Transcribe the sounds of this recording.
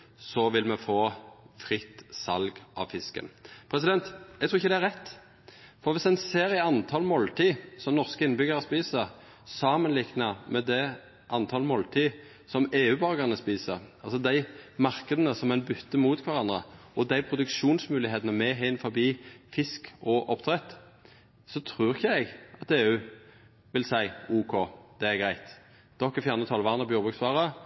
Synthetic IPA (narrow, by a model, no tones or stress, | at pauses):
sɔʋɪlmɛfoːfɾɪt̪sɑ̰lɡʔɑ̰ʋfɪskə̰npʰɾɛs̬ɪd̪ɛnt̪jɛɡt̪ʰɾuːɪçːəd̪æɾʁɛt̪ː | fɔɾʋɪsɛnseːɾɪɑnt̪ʰɑːlmoːlt̪ʰiːsɔmnɔʁskəɪnːəbʏɡəɾəspiːsə | sɑːmənlɪknɑmɛd̪ɛ | ʔɑnt̪ʰɑːlmoːlt̪ʰiː | sɔmeːʉːbɑʁɡəʁənəspiːsəɾʔɑlsɔd̪æɪmɑʁkəd̪ənəsɔmɛnbʏt̪ːəmuːt̪kʰʋæʁɑnd̪ʁəɔd̪æɪpʰɾʊd̪ʉkʃuːnsmʉːlɪheːt̪ənəmɛɦæɪnfɔbiːfɪskɔʔɔpt̪ʰʁɛt̪ | sɔt̪ʰʁʉːʁɪçːəɛɡʔɑt̪eːʉː | ʋɪlsæɪuːkʰod̪̥ɛæʁɡʁæɪt̪ | d̪̥ɔkːɛfjæːʁnət̪ʰɑlʋɑːʁnəbjʊʁbʉksʋɑːʁə